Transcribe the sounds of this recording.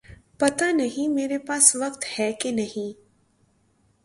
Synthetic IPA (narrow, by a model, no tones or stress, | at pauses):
pɐt̪anɐɦĩmeːɾepaːsʋɐkt̪hɛkenɐɦĩ